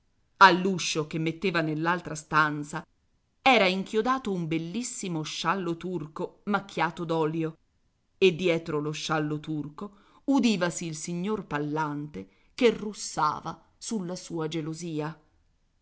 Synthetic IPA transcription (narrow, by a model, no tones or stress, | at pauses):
alːuʃːok̟emːet̪ːeːvanelːalt̪ɾast̪ant̪sa | ɛːɾaiŋkjod̪aːt̪oumbelːisːimoʃːalːot̪urkomak̟ʰːjaːt̪od̪ɔːljo | ed̪ːjɛːt̪ɾoloʃːalːot̪urko | ud̪iːvasiːlsiɲːorpalːant̪e | kerusːa̰ːva | sulːasuːad͡ʒeloziːa